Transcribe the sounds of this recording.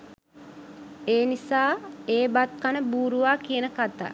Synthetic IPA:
eːnisaːeːbat̪̚kanəbuːɾuʋaːkiənəkat̪a̰ː

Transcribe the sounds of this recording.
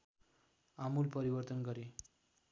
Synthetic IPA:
amulpəɾiʋəɾt̪ənɡəɾe

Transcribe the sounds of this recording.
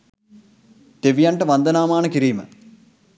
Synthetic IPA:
d̪̥eʋijɐɳʈɐʋɐnd̪ɐnaːmaːɳɐkiɾiːmə̰

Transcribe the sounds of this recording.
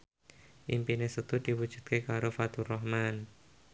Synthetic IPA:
ʔimpinesət̪ud̪̥iwud̥ʒ̥ṳ̥t̪̚kekaɾofat̪urɔhman

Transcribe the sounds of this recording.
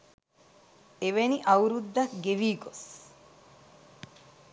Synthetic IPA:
eʋeniʔɐuɾud̪ːɐkɡeʋiːɡos

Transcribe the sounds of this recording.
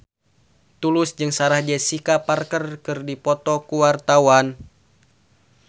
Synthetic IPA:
t̪ulusd͡ʒɨŋsaɾahd͡ʒɛsikaparkərkɨrdipɔt̪ɔkuwart̪awan

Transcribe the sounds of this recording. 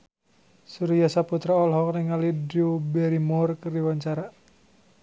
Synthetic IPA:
suɾijasaput̪ɾaɔlɦɔk̚niŋalidubɛɾimɔrkərdiwaɲt͡ʃaɾa

